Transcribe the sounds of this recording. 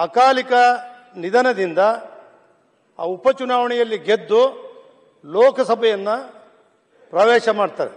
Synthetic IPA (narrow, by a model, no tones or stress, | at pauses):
ɐkaːlikɐ | nid̪ɐnɐd̪ind̪ɐ | a̰ːupɐt͡ʃunaːʋɐɳɛjɐlːiɡe̞d̪ːu | lɔːkɐsɐbʱɐjɐnːɐ | pɾɐʋɛːʃɐmaːɖt̪aːɾe